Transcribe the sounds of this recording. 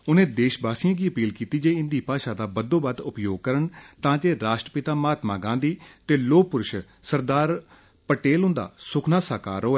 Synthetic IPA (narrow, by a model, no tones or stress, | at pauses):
ʊnẽːd̪eːʃbaːsɪjãːɡiːəpiːlkiːt̪iːd͡ʒeːɪ̃nd̪iːpaːʃaːd̪aːbəd̪õːbəd̪ʊpjoːɡ̚kəɾəɳt̪ãːd͡ʒeːɾaːʃʈɾəpɪt̪aːmaːt̪maːɡãːnd̪iːt̪eːloːk̚pʊɾʊʃ | səɾd̪aːɾ | pəʈeːlʊ̃nd̪a̰ːsʊkʰnaːsaːka̰ːɾoːɛː